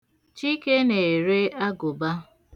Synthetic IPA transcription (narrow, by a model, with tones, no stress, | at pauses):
t͡ʃi˦ke˦ne˨ɾe˦a˦ɡʊ˨ba˦